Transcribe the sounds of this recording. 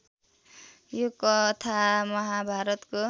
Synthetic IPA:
jokʌt̪ʰamʌɦabʱaɾʌt̪ko

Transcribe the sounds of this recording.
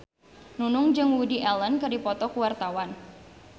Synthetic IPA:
nunʊŋd͡ʒɨŋwudiʔɛlənkɨrdipɔt̪ɔkuwart̪awan

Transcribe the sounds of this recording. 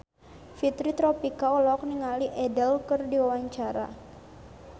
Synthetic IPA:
fit̪ɾit̪ɾopikaɔlɔk̚niŋaliʔɛdɛlkərdiwawaɲt͡ʃaɾa̰

